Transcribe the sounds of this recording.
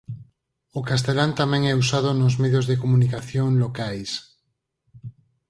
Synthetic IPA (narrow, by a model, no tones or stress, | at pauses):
okas̬t̪elant̪amɛ̃ŋɛusað̞onozmeðjozðekomunikaθjoŋlokajs